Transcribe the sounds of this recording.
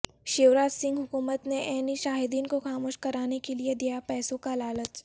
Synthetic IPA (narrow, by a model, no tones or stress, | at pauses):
ʃeːʋɾaːd͡ʒsɪ̃ŋɡɦʊkuːmət̪neʔɛːniʃaːɦɪd̪iːnkoxaːmoːʃkɐɾaːnekelied̪ijapɛːsõkalaːlət̪